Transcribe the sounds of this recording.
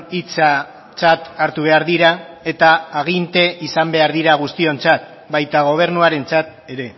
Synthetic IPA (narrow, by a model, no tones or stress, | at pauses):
it͡sa | t͡sat̪aɾt̪uβe̞aɾðiɾae̞t̪aːɣ̞int̪e̞isambe̞aɾðiɾaɣust̪io̞nt͡sat̪̚ | bajt̪aɣ̞o̞β̞e̞ɾnuaɾe̞nt͡sat̪̚e̞ɾe̞